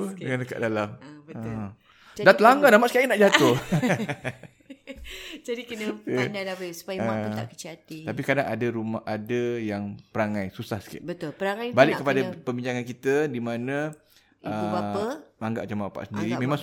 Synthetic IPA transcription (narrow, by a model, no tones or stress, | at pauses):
əŋãndəka̰ʔdalambə | dat̪əlaŋɡanamaʔsəkajanaʔd͡ʒat̪ʊ | d͡ʒadikənənalabəsu̥pajamapt̪a̰ʔkə̥t͡ʃiat̪it̪apikadaŋadaɾumahʔadajaŋpəɾaŋajsusahsə̥kɪ̰t̪bət̪ʊlpəɾaŋajbalɪkkəpadapəbiɲd͡ʒaŋankit̪ədimanã | əubaəmaŋɡa̰ʔmat͡ʃambapa̰ʔsəndiɾimẽmaŋs